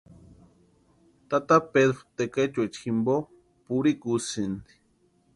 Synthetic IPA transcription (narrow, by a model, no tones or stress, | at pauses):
t̪at̪aped̪ɾot̪eket͡ʃuet͡ʃximbo | puɾikusɨnd̪i̥